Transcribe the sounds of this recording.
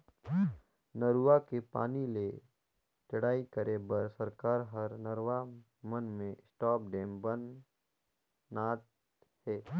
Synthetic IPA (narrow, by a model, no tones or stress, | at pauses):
nəɾuakepa̰ːnile | t͡ʃəɽaːikəɾebəɾsəɾkaːɾɦəɾnəɾwa | mənmẽɪsʈaːp̚ɖeːmbən | aːt̪ | hɛː